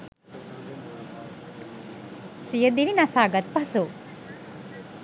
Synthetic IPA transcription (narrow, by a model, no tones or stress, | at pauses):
sijəd̪iʋinɐsaːɡɐt̪̚pɐsu